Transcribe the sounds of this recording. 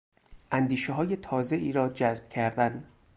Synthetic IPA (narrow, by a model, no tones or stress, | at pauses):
ʔænd̪iːʃeɦɒːje̞t̪ʰɒːze̞ʔiːɾɒːd͡ʒæzb̥cʰæɾd̪æn